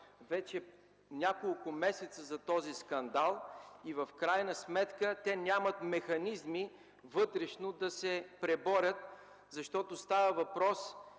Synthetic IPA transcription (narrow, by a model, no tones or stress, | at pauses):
vɛt͡ʃɛ | nʲakolˠkʊmɛsɛt̪səzɐt̪ɔziskɐnd̪alˠivəfkɾajnəsmɛt̪kət̪ɛnʲamət̪mɛxɐnizmi | vɤt̪ɾɛʃnod̪ɐsɛpɾɛbɔɾʲət̪ | zɐʃt̪ɔt̪ost̪avəvɐpɾɔs